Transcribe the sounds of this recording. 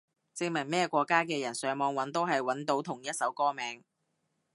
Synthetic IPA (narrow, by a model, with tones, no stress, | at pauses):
t͡sɪ˧ŋmɐ˨˩mɛː˥˧kʷɔː˧kːaː˥kɛː˧jɐ˨˩nsœː˨˥ŋmɔː˨˧ŋwɐ˨˥nt̪o˥wɦɐ˨jwɐ˨˥nt̪o˨˥wt̪ʰʊ˨˩ŋjɐ˥t̚sɐ˨˥wkɔː˥mɛː˨˥ŋ